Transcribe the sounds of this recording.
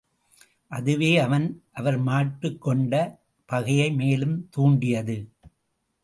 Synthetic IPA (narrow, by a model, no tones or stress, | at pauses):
ʔɐðɯʋeːɐʋɐnʔɐʋɐɾmaːʈɾɯkːɔɳɖɐ | pɐɣɐjɐɪmeːlɯmt̪uːɳɖɪjɐðɯ